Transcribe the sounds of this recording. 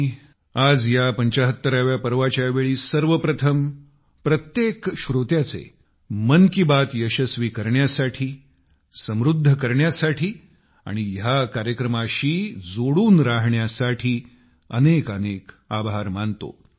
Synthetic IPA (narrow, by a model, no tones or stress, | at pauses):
ad͡zjapəɲt͡ɕaɦət̪ːəɾaʋjapəɾʋat͡ɕjaʋeɭiːsəɾʋəpɾət̪ʰəm | pɾət̪jekɕɾot̪jat͡sḛ | mənkibat̪jəɕəsʋiːkəɾɳjasaʈʰiː | səmɾud̪ʱːəkəɾɳjasaʈʰiː | a̰ɽ̃ijakaɾjəkɾəmaɕiːd͡zoɽuːnɾaɦɳjasaʈʰiː | ə̰nekənek | abʱaɾmant̪o̰